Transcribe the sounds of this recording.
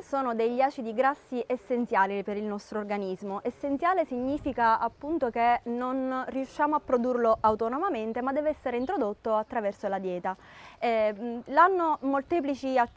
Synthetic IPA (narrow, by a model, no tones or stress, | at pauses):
soːnod̪ejʎaːt͡ʃid̪iɡɾasːiʔesːent̪sjaːlipeɾilnɔst̪ɾoːrɡanizmoʔesːent̪sjaːlesiɲːiːfikaapːunt̪okenonriuʃːaːmoapːɾod̪urloʔawt̪onomament̪emad̪ːɛːvɛsːeɾeint̪ɾod̪ot̪ːoat̪ːɾavɛrsolad̪jɛːt̪aɛlanːomolt̪ɛːp̬lit͡ʃia